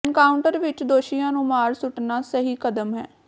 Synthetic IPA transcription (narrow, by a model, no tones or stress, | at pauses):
nkaːʊɳʈəɾʋɪt͡ʃd̪oːʃijãːnũːmaːɾsʊʈnaːsəɦiːkəd̪əmɦɛː